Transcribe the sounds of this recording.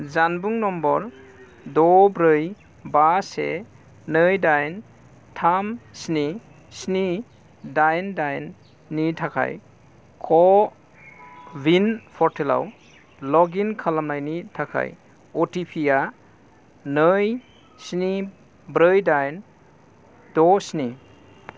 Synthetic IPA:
zanbuŋnɔmbɔɾ | dɔbɾɯj | basḛ | nɯjdajn | tʰamsni | sni | dajndajnː | itʰakʰa̰j | kʰɔ | binpʰɔɾtʰela̰w | lɔɡinkʰalamlajnitʰakʰa̰j | ɔtipʰija | nɯj | sni | bɾɯjdajn | d̥ɔsni

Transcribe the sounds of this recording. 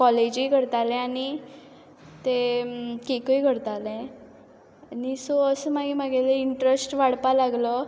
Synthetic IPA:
kɔled͡ʑikəɾt̪alɛ̃añi | t̪ekekəjkəɾt̪alɛ̃ | anisoəsəmaɡimaɡeleiɳʈɾesʈʋaɽpalaɡlɔ

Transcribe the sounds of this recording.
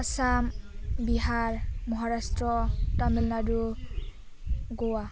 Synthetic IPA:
asambiɦaɹmɔɦaɹastɹɔtamilnadu | ɡɔwa

